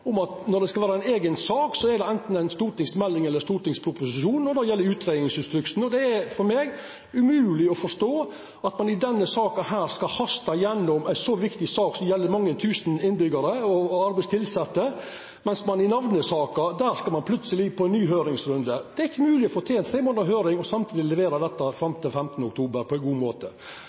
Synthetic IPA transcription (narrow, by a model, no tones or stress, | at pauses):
ʊmɑt̪nɔɖ̪ɛskɑlʋæːɾɑæɪneːɡənsɑːksɔɛɾɖɛɛnt̪n̩æɪnst̪uːɾʈ̪ɪŋsmɛlːɪŋɛlːəɾst̪uːɾʈ̪ɪŋspʰɾʊpʊsɪʃuːnɔd̪ɑjɛlːəɾʉːt̪ɾeːd̪nɪŋsɪst̪ɾʉkt̪n̩ɔd̪ɛæfɔɾmeːɡ | ʉmʉːlɪɔfɔʂt̪oː | ɑt̪mɑnɪd̪ɛnːəsɑːkɑhæːɾskɑhɑst̪ɑjɛnːɔmæɪnsɔʋɪkt̪ɪsɑːksɔmjɛlːəɾmɑŋːənt̪ʰʉːsnɪnbʏɡɑɾəɔɑɾbæɪst̪ʰɪlsɛt̪ːə | mɛnsmɑnɪnɑʋnəsɑːkɑd̪æːɾskɑlmɑnpʰlʉt̪səlɪpʰɔænːyːɦøːɾɪŋsɾʉnd̪əd̪̥ɛæɾɪçːəmʉːlɪɔfoːt̪ʰɛːɛnt̪ʰɾeːmoːnəɾɦøːɾɪŋɔsɑmt̪ʰiːd̪ɪlɛʋeːɾɑd̪ɛt̪ːɑfɾɛmt̪əfɛmt̪ənəʊkt̪ʰuːbəɾpʰɔæɪɡuːmoːt̪ə